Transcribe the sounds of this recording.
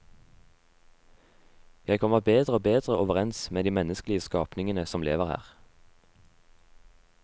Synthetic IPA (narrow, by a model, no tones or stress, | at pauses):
jæɪkʰɔməʁbeːd̪ʁəoːbeːd̪ʁəʔoːʋəʁɛnsmeːd̪iːmɛnəsklɪəskɑːpnɪŋənəsɔmlḛːʋəʁhæ̰ːʁ